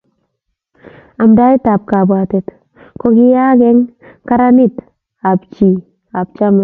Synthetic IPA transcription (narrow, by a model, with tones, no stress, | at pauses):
a˨mda˦i˦ta˨p̚ka˨bwa˨tɛ˨t | ko˦ɡi˦ja˦ɡɛ˦ŋka˦ɾa˦ni˦t | a˨pt͡ʃi˨ | a˨b̚t͡ʃa˦m˨